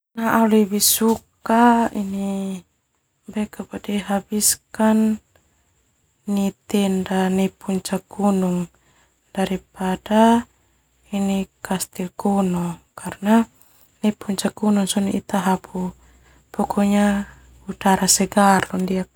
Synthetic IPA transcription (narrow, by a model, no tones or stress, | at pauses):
naʔalibisukaini | bɛkapadiɦabiskan | it̪ɛndanipuɲt͡ʃakunuŋ | d̥aɾipada | inikast̪ilkunɔkarna | nipuɲt͡ʃakunuŋsɔniit̪aɦapu | pɔkʰɔɲa | ut̪aɾasɛɡarɔndia